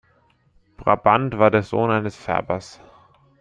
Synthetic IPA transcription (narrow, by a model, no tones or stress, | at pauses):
b̥ʁa̰bantv̥aːɐdeːɐzo̰ːnʔaɪnəsfɛ̰ɐbɐs